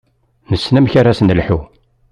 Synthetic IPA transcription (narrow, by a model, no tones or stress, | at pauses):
nəsːnæmçaɾasənlħu